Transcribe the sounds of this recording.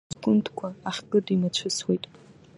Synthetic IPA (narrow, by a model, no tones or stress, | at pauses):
zkʷʼʊntʰkʷʰaːχʲkʼɨdimat͡ɕʷʰɨswejtʼ